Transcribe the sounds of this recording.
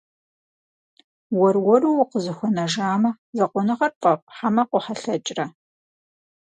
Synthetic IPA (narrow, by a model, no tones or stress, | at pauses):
wɔrwɔrɨwʊqəzɨxʷɔnɐʒaːmɐ | zɐqʷʼʊnɨχɐrpʼɐpʼħamɐqʷʊħaɬɐt͡ʃʼrɐ